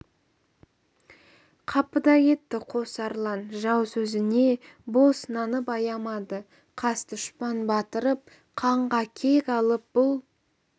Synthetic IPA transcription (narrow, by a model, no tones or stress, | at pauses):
qʰɑpəd̪ɑje̞t̪ːɪqʰo̞sɑɾlˠɑnʒɑwsɵzɪne̞ | bo̞snɑnəpɑjɑmɑd̪ə | qʰɑst̪ʊʃpɑnbɑt̪əɾəp̚ | qʰɑɴʁɑkʲʰe̞kʲɑlˠəp̚b̥ʊlˠ